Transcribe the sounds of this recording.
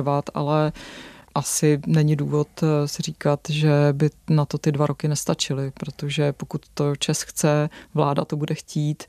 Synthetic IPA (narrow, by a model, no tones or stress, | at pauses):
vat̪a̰lɛ | ʔasɪnɛɲɪduːvo̞t̪sɪriːkat̪ʒɛbɪnat̪o̞t̪ɪdvaɾʔo̞kɪnɛst̪at͡ʃɪlɪpɾot̪oʒɛpo̞kut̪ːot͡ʃɛsxt͡sɛvlaːda̰t̪obudɛxciːt̪